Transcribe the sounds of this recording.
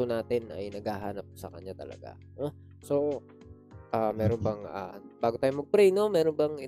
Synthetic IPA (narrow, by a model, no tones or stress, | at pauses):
onaːt̪ɪnʔɐ̰jnɐɡaːɦaːnɐp̚sɐ̰kɐ̰ɲat̪ɐ̰lɐ̰ɡa̰ | no | so̞ | ʔaːmɛːɾonbɐŋʔa̰ːb̥aːɡot̪aːjomɐɡ̚pɾɛjno̞mɛːɾonbɐŋɪ